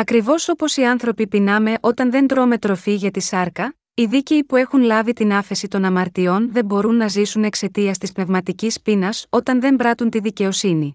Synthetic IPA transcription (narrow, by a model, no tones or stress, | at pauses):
ɐkɾivo̞so̞po̞siɐnθɾo̞pipinɐme̞ʔo̞t̪ɐnðe̞nd̪ɾo̞me̞t̪ɾo̞fiʝɐt̪isɐɾkɐ | iðice̞ipue̞xunlɐvit̪inɐfe̞sit̪o̞nɐmɐɾt̪io̞nðe̞mbo̞ɾunːɐzisune̞kse̞t̪iɐst̪ispne̞vmɐt̪icispinɐso̞t̪ɐnðe̞mbɾɐt̪unt̪iðice̞o̞sini